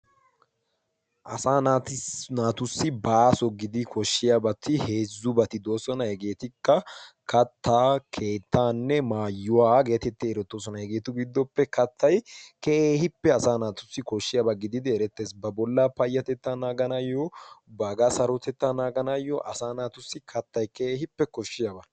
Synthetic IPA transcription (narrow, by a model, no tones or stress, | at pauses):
ʔɐsaːnat̪ɪnaːt̪ʊsːɪbaːsɔɡɪd̪ɪkʰɔʃːɪjabɐt̪ʰːɪhe̞ːzːʊbɐt̪ɪd̪o̞ːsɔnɐhɛɡe̞ːt̪ɪkːɐkɐt̪ʰːaːkʰe̞ːt̪ːaːnːɛmaːjːʊwaːɡeːt̪ɛt̪ːɛːɾɔt̪ːoːs̬ɔnɐhɛɡeːt̪ʊɡɪd̪ːɔpːɛkɐt̪ʰːɐjkeeːhɪpːɛɐsaːnaːt̪ʊsːɪkɔʃːɪjabɐɡɪd̪ɪd̪ɪɛɾɛt̪ːe̞ːsbɐbɔlːapɐjːɐt̪ɛt̪ːanaːɡɐnɐjɔbaɡasɐɾɔt̪ɛt̪ːanaːɡɐnɐjːɔʔɐsaːnaːt̪ʊsːɪkʰɐt̪ːɐjkeeːhɪpːɛkɔʃːɪjabɐ